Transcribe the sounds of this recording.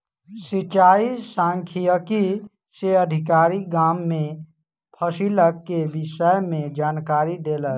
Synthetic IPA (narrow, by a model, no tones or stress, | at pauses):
sit͡ʃaːisãŋkʰijəki | seəd̪ʱikaːɾiɡamːẽ | pʰəsiləkːebisəjmẽd͡ʒaːnkaːɾid̪eːlə